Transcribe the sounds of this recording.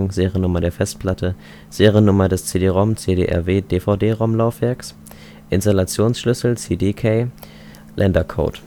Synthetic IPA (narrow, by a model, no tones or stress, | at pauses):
ŋzeːʁjənʊmɐdeːɐfɛst̚pʰl̥atʰə | z̥eːʁiənːʊmɐdɛst͡seːdeːʁaʊmt͡seːdeːʔɛ̰ɐveːd̥eːfaʊdeːʁaʊmlaʊfv̥ɛɐks | ʔɪnstalat͡sjoːnsʃlʏsl̩t͡seːdeːkʰeː | lʔɛndɐkʰo̰ːt